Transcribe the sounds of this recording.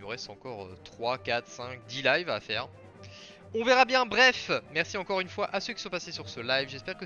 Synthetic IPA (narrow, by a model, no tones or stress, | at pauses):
nuʁɛst̪ɑ̃kɔʁøt̪χwakat̪χsɛ̃k̚d̪ilajvafɛːʁ | ɔ̃vɛʁabjɛ̃bʁɛfmɛʁsiɑ̃kɔʁynfwaʔasøkʲi̥sɔ̃pasesyʁsəlajvʒɛspɛʁkə